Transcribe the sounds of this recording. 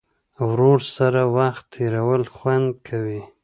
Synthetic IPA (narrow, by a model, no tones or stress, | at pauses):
wɾoɾsaɾawaxt̪ʰːeɾawəlxwand̪̚kʰawi